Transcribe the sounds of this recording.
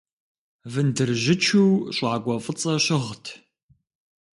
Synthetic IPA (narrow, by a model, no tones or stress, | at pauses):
vɨndɨrʒɪt͡ʃʰuwɕʷʼʕaɡʷɔfʼɨt͡sʼɐɕɪʁtʰ